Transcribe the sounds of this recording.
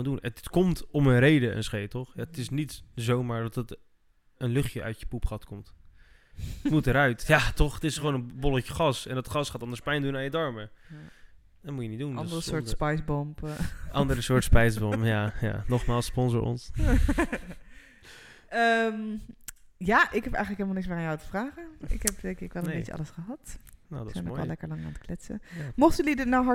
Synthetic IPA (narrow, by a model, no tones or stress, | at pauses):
ndunətkɔmtɔmənrejdəɛ̰nsχejtɔχjaətɪsnitzowmaːɹdɔtət | ənlɵχjəʔœ̰ɥtjəpupχɑtkɔmt | ətmutəɾœɥtjatɔχətɪsχəwoːnənbolətəχɑsɛndɑtχɑsχaːtɑndəɹspɛjndunajədɔɹmə | dɔtmujənit̚dunsʊpjsbɔmpɑndəɾəsʊːɹtspɛjsbɔmpjaja̰nɔχmaːlˠsːpɔnzo̰ɹɔ̰ns | əm | jaʔɪkɦɛpɛ̰jxəntləkɦelmlˠnɪksmaːanjawatə̥fraːχəɪ̰khɛp̚dekɪkʋɛlˠə̃nnbet͡ʃəɑ̰ləsχəɦɑtnodsɛjnɔɛllɛkəɹlɑŋa̰ːnətklɪtsə̰mɔχtylidɪtnawɦɑ